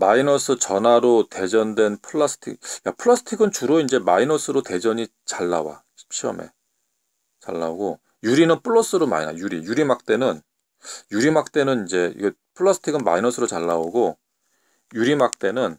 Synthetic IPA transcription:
mainʌsʰɯt͡ɕʌnaɾote̞d͡ʑʌndwe̞npʰɯɭːasʰɯ̥tʰḭkjapʰɯɭːʌsʰɯ̥tʰiɡɯnt͡ɕuɾoind͡ʑe̞mainʌsʰɯɾote̞d͡ʑʌɲi | t͡ɕaɭːa̰wa̰ɕʰi̥p̚ɕʰiʌ̰me̞̰ | t͡ɕa̰ɭːa̰oɡo | juɾinɯnpʰɯɭːʌs͈ɯɾoma̰ḭna̰juɾḭjuɾimak̚t͈e̞nɯn | juɾimak̚t͈e̞nɯnind͡ʑe̞ḭɡe | pʰɯɭːʌsʰɯ̥tʰiɡɯnma̰inʌsʰɯɾot͡ɕaɭːaoɡo | juɾimak̚t͈e̞nɯn

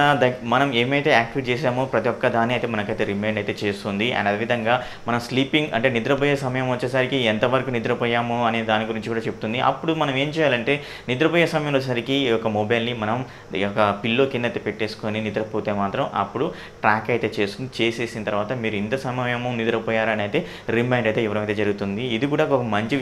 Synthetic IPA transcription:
d̪ɐmɐnɐme̞ːmɐjt̪e̞ːaːk̚ʈit͡ʃeːsaːmoːpɾɐt̪ijɔkːɐd̪aːnːiɐjt̪eːmɐnɐkɐjt̪eːɾimeːɳɖɐjt̪eːt͡ʃeːst̪und̪iʔɐ̰ɖɐd̪eːʋid̪ʱɐŋɡaː | mɐnɐmsliːpiŋɡɐ̰ɳʈe̞ːnid̪ɾɐpɐjesɐmɐjɐmʋɐt͡ʃːeːsɐɾikiɛnt̪ɐʋɐɾɐkuːnid̪ɾɐpɔjaːmoɐneːd̪aːniɡuɾiɲt͡ʃikuːɽaːt͡ʃe̞bu̥t̪und̪iʔɐ̰pːuɽumɐnɐme̞ːmt͡ʃɛːjaːlɐɳʈe̞ː | nid̪ɾɐpɔjeːsɐmɐjɐ̃ɐt͡ʃːsaɾikijɔkɐmobɐjlnimɐnɐm | ɔkɐpilːoːkinːɐt̪ːepeʈːeːsu̥ko̞ːninid̪ɾɐpot̪e̞ːmaːt̪ɾɐmɐ̰pːuɽu | ʈɾaːkɐjt̪e̞ːt͡ʃe̞ːst̪und̪it͡ʃe̞ːse̞ːsinɐt̪ɐɾʋaːt̪ɐmiːɾuint̪ɐsɐmɐjɐmunid̪uɾɐpɔːjaːɾɐnɐjt̪e̞ː | ɾimɐjɳɖɐjt̪eiʋɐɾɐmɐjt̪eːd͡ʒɐɾuɡut̪und̪iːd̪ikuːɽaːkɔkɐmɐɲt͡ʃi

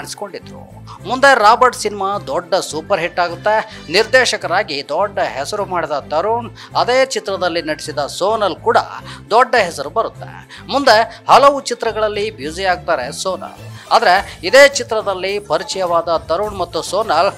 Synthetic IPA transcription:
aːɳisi̥ko̞ɳɖid̪ɾṵ | mund̪e̞ɾaːbɐɾɖsinimaːd̪ɔɖːɐsuːpɐɾɦiʈːaːɡut̪ːe̞ | niɾd̪eːʃɐkɐɾaːɡid̪ɔɖːɐɦɛsɐɾumaːɽid̪ɐt̪ɐɾuɳ | ɐd̪eːt͡ʃit̪ɾɐd̪ɐlːinɐɽisid̪ɐsoːnɐlkuːɽɐ̰d̪ɔɖːɐɦɛsɐɾubɐɾut̪ːḛ | mund̪e̞hɐlɐʋut͡ʃit̪ɾɐɡɐɭɐlːibjud͡ʒijaːɡ̚t̪aːɾe̞soːnɐ̰laːd̪ɐɾe̞id̪eːt͡ʃit̪ɾɐd̪ɐlːipɐɾit͡ʃɐjɐʋaːd̪ɐt̪ɐɾuɳmɐt̪ːusoːnɐl

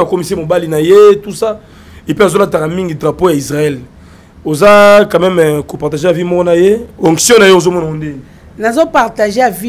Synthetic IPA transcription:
akomisemobalinajetusa | epazolatakamiŋɡidʁapojaisʁaɛl | ozakamɛmkopaʁtaʒejavimɔkɔnajeɔ̃ŋksjɔ̃najeozomɔnakonde | nazopaʁtaʒeavi

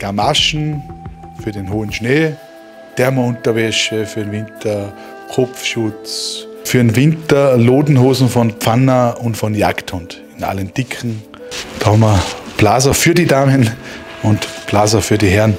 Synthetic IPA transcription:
ɡ̥amaʃn̩ | fyːɐdenɦoːənʃneː | d̥ɛɐmɐʊ̃ntɐʋɛʃəfyɐdenvɪntɐ | kʰɔpfʃʊt͡s | fyːɐnvɪntɐloːdn̩ɦoːzn̩fɔnpp͡fanəʊntfɔnja̰kthʊnt | ɪna̰lənd̥ɪkʰn̩ | d̥ɑhɔmɐb̥laːzɐfyːɐdidaːmənʊntplaːzɐfyːɐdiɦɛɐn

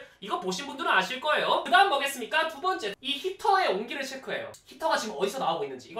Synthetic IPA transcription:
iɡʌpoɕʰinbundɯɾɯnaɕʰiɭk͈ʌe̞jokɯdaɦɯnmʌɡe̞s͈ɯmɲik͈atubʌnt͡ɕ͈e̞içitʰʌe̞oŋɡiɾɯɭt͡ɕʰekʰuɦe̞̰jo̰çʰitʰʌɡat͡ɕiɡɯmʌdisʰʌnaoɡoinːɯnd͡ʑiːɡʌ

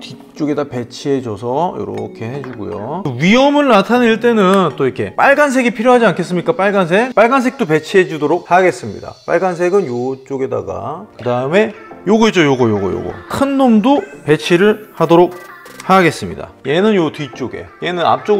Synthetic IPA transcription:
ti | t͡ɕ͈oɡe̞dape̞t͡ɕʰiɦe̞d͡ʑʌsʰʌjʌ̰ɾʌ̰kʰe̞hed͡ʑuɡujo̰ɯɥiʌmɯɭnatʰaneiɭt͈e̞nɯnt͈oikʰe̞p͈aɭɡans̬ʰe̞ɡipʰiɾjoɦad͡ʑiankʰe̞s͈ɯmɲik͈ap͈aɭɡans̬ʰek̚p͈aɭɡansʰe̞k̚t͈ope̞t͡ɕʰiɦed͡ʑudoɾok̚haɡe̞s͈ɯmɲḭda̰p͈a̰ɭɡans̬ʰeɡɯnjot͡ɕ͈oɡe̞da̰ɡa̰kɯdaɯme̞joɡʌet͡ɕ͈ojoɡʌjoɡʌ̰jo̰ɡʌ̰kʰɯnːomdope̞t͡ɕʰiɾɯɭhadoɾok̚ | haɡe̞s͈ɯmɲḭda̰je̞nɯnjotɥit͡ɕ͈oɡe̞̰je̞nɯna̰p̚t͡ɕ͈oɡ

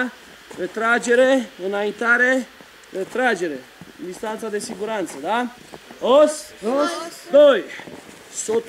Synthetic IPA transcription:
ɾet̪ɾad͡ʒe̞ɾeɨnaint̪aɾe̞ | ɾet̪ɾad͡ʒe̞ɾe̞ | ɨnd̪ist̪ant̪sad̪e̞siɡuɾant̪səd̪a | os | d̪oj | sot̪

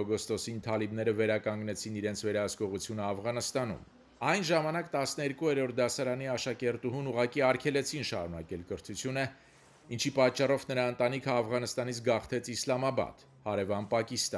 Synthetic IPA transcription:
ɔɡɔst̪ɔsint̪ʰɑlibnɛɾəvɛɾɑkɑŋɡnɛt͡sʰiniɾɛnt͡sʰvɛɾɑɦəskɔʁut͡sʰjunəɑfʁɑnəst̪ɑnṵm | ɑjnʒɑmɑnɑkt̪ɑsnəɛɾkuɛɾɔɾt̪̚ʰd̪ɑsɑɾɑniɑʃɑkɛɾt̪uɦunuʁɑkiɑɾkʰɛlɛt͡sʰinʃɑ̰ɾunɑkɛlkəɾt̪ʰut͡sʰjunə | int͡ʃʰipɑt͡ʃːɑrɔvnəɾɑənt̪ɑnikʰəɑfʁɑnəst̪ɑnit͡sʰɡɑχt̪ʰɛt͡sʰislɑmɑbɑ̰t̪ | hɑɾɛvɑnpɑkist̪ɑ

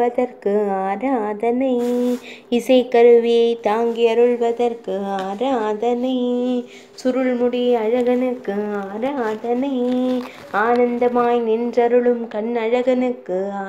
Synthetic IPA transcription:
ɐðɐɾkɯaːɾɐaːðɐnɐɪ | ɪsɐɪkɐɾɯʋɪjɐɪt̪aːŋɡɪjɐɾɯɭʋɐðɐɾkɯaːɾɐaːðɐnɐɪ | sʊɾɯɭmʊɽɪɐɻɐɣɐnɯkːɯaːɾɐaːðɐnɐɪ | aːnɐnd̪ɐmaːjnɪndrɐɾɯɭɯmkɐɳɐɻɐɣɐnɯkːɯ

